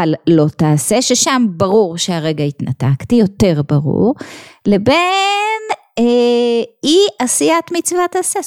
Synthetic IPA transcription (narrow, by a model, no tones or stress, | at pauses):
allo̞taːseʃeʃambaʁuʁʃeaʁe̞ɡaitnataktijo̞te̞ʁbaʁṵʁle̞be̞n | iʔasijatmit͡svataːse